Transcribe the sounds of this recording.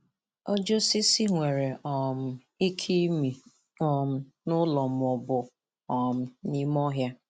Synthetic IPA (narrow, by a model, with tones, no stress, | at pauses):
ɔ˦d͡ʒo˦si˦si˦ŋʷe˨ɾe˨ʔɔ˨m̩˨ | i˦kʰi˦mi˨ | ɔ˨m̩˦ | nʊ˦lɔ˨m˨ɔ˨bʊ˨ | ɔ˨m̩˨ni˦mɔ˦ɦja˦